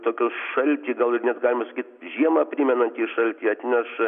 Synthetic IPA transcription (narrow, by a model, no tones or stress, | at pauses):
t̪oːkʲʊsʃɐlʲt̪ʲiːɡɐlˠɪɾnʲɛt̪ɡɑːlʲɪmɐsɐkʲiːt̪ʒʲiɛmɐpʲrʲimʲɛnɐnʲt̪ʲiːʃɐlʲt̪ʲiːɐt̪ʲnʲɛʃ